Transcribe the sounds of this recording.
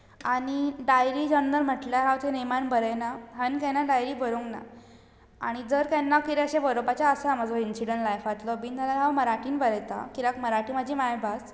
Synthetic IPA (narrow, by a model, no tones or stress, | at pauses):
aɽ̃iɖajɾiːd͡ʑənd̪əɾm̤əʈljaɦawt̪ʰenemanbəɾəjnaɦankãnaɖajɾiːbəɾuŋɡna̰ | a̰ɽ̃id͡zəɾkanːakiɾeɕẽbəɾobat͡ɕjaəsamad͡zoinsiɽəɳʈlajfat̪lɔbiːnt̪alaɦawməɾaʈiːnbəɾəjt̪a̰kiɾakməɾaʈiːmad͡ʑʱiːmajbʱas